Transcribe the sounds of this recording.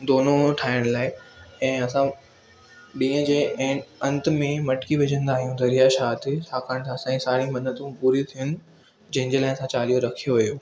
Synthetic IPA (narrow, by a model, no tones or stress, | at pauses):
d̪oːnoʈʰaːɪəɽ̃laːɪɛ̃ːɐsã | ɗĩːə̃d͡ʑeːʔɛ̃ːɐ̃nt̪mẽmɐʈkiʋɪd͡ʑə̃nd̪aːɦijũd̪ɐɾijaʃaːt̪ɪt͡ɕʰaːkʰaːɽ̃t̪ʰãːsãesaːɽĩmɐnət̪ũpuːɾit̪ʰijənɪ̆ | d͡ʑɐ̃ɦɪ̃ɲd͡ʑeːlaːɪsãt͡ɕaːlijoɾɐkʰijoʋɐjoː